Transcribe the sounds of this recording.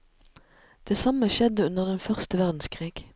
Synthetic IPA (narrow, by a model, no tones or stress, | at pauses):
d̪̥eːsɑməʃɛd̪əʉnəʁd̪ɛnfœʁst̪əʋæʁd̪n̩skʰʁiːɡ̥